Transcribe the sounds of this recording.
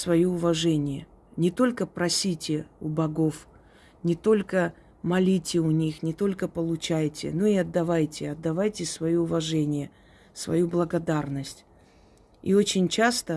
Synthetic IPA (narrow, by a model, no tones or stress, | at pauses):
svɐjoʊvɐʐɛnʲɪjə | nʲɪt̪o̞lʲkəpɾɐsʲitʲɪʊbɐɡo̞f | nʲɪt̪o̞lʲkə | mɐlʲitʲɪʊnʲixnʲɪt̪o̞lʲkəpəlˠʊt͡ɕajtʲɪ̰no̞ɪɐd̪ːɐvajtʲɪɐd̪ːɐvajtʲɪsvɐjoʊvɐʐɛnʲɪjə | svɐ̰jublˠəɡɐd̪arnəsʲtʲ | ḭot͡ɕɪnʲt͡ɕast̪ə